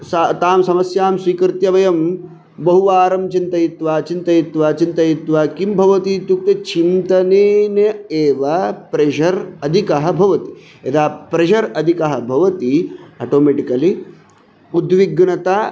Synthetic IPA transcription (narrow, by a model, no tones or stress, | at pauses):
st̪aːmsɐmɐsjaːmsʋikɾt̪jɐʋɐjɐm | bɐɦuʋaːɾɐmt͡ʃint̪ɐjit̪ʋaːt͡ʃint̪ɐjit̪ʋaːt͡ʃint̪ɐjit̪ʋaːkimbʱɐʋɐt̪iːt̪uk̚t̪et͡ʃʰimt̪ɐneːnɐeːʋɐpɾeʒɐɾɐd̪ʱikɐɦɐ̆bʱɐʋɐt̪i̥ | ed̪aːpɾeʃɐɾɐd̪ʱikɐɦɐ̆bʱɐʋɐt̪iɐʈoːmeʈikɐli | ud̪ʋiɡnɐt̪a